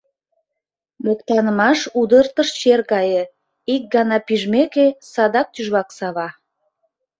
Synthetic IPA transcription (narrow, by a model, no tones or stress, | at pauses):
mokt̪ɑnəmɑʃud̪ərt̪əʃt͡ɕerkɑjə | ik̚ɡɑnɑpiʒmekesɑd̪ɑk̚t̪yʒβɑksɑβɑ